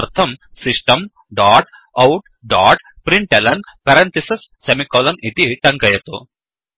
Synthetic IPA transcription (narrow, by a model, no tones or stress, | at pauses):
ɐɾt̪ʰɐmsiʂʈɐm | ɖaːʈ | ɐwʈ | ɖaːʈ | pɾiɳʈelɐnpɐɾɐnt̪isɐsːemikɔːlɐnit̪iʈɐŋkɐjɐt̪ṵ